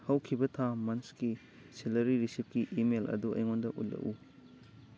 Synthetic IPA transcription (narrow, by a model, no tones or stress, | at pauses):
hɐwkʰibɐtʰamɐnski | silɐɾiɾisip̚kiʔimelʔɐ̰duɐ̰jŋondɐʔṵtlɐ̰ʔu